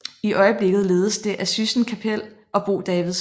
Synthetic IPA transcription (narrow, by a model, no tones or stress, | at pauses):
iʔɒ̽ɪəb̥le̝ɡ̥ð̞̩ˠle̝ːð̞ˠəsd̥e̝ʔæsysn̩kʰæpʰel̰ | ɒ̽b̥o̝̰ːd̥ɛːʋiðˠs